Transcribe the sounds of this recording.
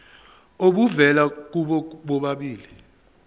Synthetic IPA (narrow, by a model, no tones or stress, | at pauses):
oɓuvɛlak̬uɓɔɓɔɓaɓiːli